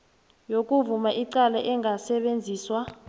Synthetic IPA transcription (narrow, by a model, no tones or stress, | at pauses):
jok̬ʼuvumaʔiǀalaʔɛŋɡʱasɛɓend͡zʱiːswa